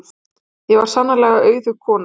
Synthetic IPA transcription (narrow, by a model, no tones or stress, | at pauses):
jɛvaɾ̥sanːalɛɣaœːɥðʏkʰɔːna